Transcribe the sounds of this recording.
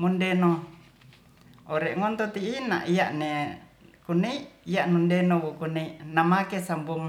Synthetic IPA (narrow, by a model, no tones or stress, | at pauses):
mundeno | oɾeʔŋont̪ot̪iʔːna̰ʔijaʔnekunːeiʔijaʔnundenowokuneiʔnamakesambom